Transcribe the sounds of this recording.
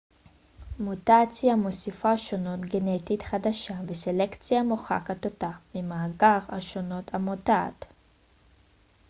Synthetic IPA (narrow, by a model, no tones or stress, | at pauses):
mutat͡sijamosifaʃo̞no̞t̪ɡenetit̪χadaʃaveselekt͡sijamoχa̰kat̪otamimaːɡaʁaʃo̞notʰamota̰ːt̪